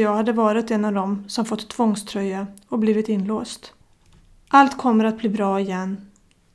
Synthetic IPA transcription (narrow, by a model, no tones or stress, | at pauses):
jɑːɡhad̪ːəvɑːɾɪt̪ɛnːavd̪ɔmsɔmfɔt̪ʰːvɔŋst̪ʰɾœjːaɔbliːvɪt̪ɪnːloːst̪ | ʔalt̪kʰɔmːəɾat̪̚bliːbɾɑːɪjɛnː